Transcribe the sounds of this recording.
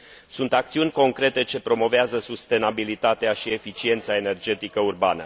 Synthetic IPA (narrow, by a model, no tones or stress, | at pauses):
sunt̪ak̚t̪siunʲko̞ŋkɾe̞t̪e̞t͡ʃe̞pɾo̞mo̞veazəsust̪e̞nabilit̪at̪eaʃie̞fit͡ʃie̞nt̪sae̞ne̞rd͡ʒe̞t̪ikəurba̰nə